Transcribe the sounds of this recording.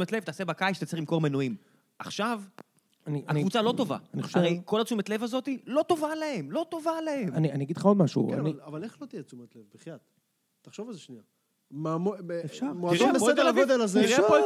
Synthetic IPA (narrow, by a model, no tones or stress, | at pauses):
metle̞vt̪aːse̞bakajʃt̪et͡seχlimko̞ʁmenuim | ʔaχʃav | aniaaivut͡salo̞t̪o̞va̰aniχoʃaevejko̞lat͡sumet̪le̞vazo̞t̪ilo̞t̪o̞valaemlo̞t̪o̞valehemanianiaɡidlχao̞d̪maʃṵa̰niavaleχlot̪ijet͡sumet̪levbiχjad̪̥ | t̪aχʃovalzeʃnia | mamoefʃamoaiʁoeed̪eaɡod̪elazeiʁepo